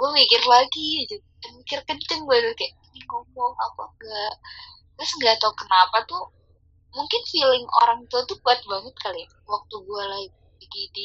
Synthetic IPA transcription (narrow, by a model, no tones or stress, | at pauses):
ɡ̥uamikɪrlaɡid͡ʒu | anmikɪrkənt͡ʃɪŋɡuad̪ʊkajaʔinikɔmbɔŋapa̰ŋɡaʔ | t̪asŋɡat̪okənapat̪u | muŋkɪnfilɪŋo̰ɾaŋt̪ot̪ubuat̪̚baŋət̪̚kalia | wak̚t̪uɡuala | biɡidi